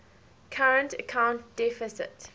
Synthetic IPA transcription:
kʰaɹə̃ntəkʰãʊ̃ntd̥ɛfɪsɪ̰t

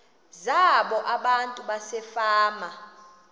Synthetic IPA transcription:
zaɓɔʔaɓantʼuɓasɛfaːma

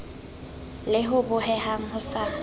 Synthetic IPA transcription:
lɪɦʊbʊɦɛɦaŋ̩hʊsa

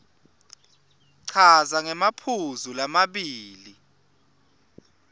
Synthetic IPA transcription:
ǀʰazaŋɛmapʰuzulamaɓiːli

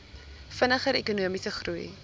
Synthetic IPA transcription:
fənəχəɾʔɛkunuəmisəχruj

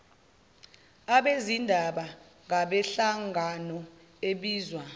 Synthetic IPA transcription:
aɓezindʱaɓa | ŋaɓɛɬaŋanɔ | eɓiːzwa

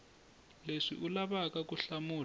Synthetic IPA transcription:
leʂḭʔulaβakakuɬamuːl

